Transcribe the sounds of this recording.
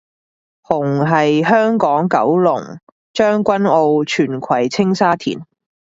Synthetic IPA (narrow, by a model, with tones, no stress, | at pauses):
hʊ˨˩ŋɦɐ˨jɦœː˥ŋkɔː˨˥ŋkɐ˨˥wlʊ˨˩ŋ | t͡ʃœː˥ŋkʷɐ˥no˧wt͡ʃʰyː˨˩nkʰɐ˨˩jt͡sʰɪ˥ŋsaː˥t̪ʰḭː˨˩n